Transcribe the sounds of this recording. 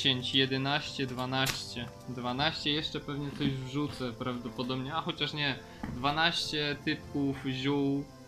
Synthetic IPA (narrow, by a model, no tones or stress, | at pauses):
eɲt͡ɕjɛd̪ɛnaɕt͡ɕɛd̪vanaɕt͡ɕɛ | d̪vanaɕt͡ɕɛjɛʂt͡ʂɛpɛvɲɛt̪sɔʑvʐut̪sɛpɾavd̪ɔpɔd̪ɔbɲɛaxɔt͡ɕaʂɲɛ | d̪vanaɕt͡ɕɛt̪ɘp̚kufʑuw